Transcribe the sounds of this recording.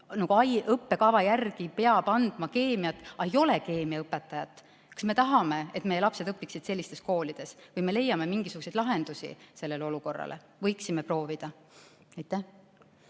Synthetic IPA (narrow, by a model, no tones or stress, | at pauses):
nɑɡ̥uɑjɤpːe̞kɑvɑjærɡ̥ipe̞ɑb̥ɑnd̪̥mɑke̞ːmiɑt̪ːˑɑe̞jo̞le̞ke̞ːmiɑɤpːˑe̞t̪ːˑɑjɑt̪ːˑ | kɑ̥sme̞t̪ɑɦɑme̞et̪mejelɑpse̞d̪ɤpːˑiksid̪̥se̞lʲːist̪e̞sko̞ːlid̪̥e̞svɯjme̞le̞jɑme̞miŋɡ̥isuɡ̥use̞jd̪lɑɦe̞nd̪usḭse̞lːe̞leo̞luko̞rːɑ̰lʔḛ | vɤjksime̞pro̞ːvid̪̥ɑ | ɑjt̪ːˑæh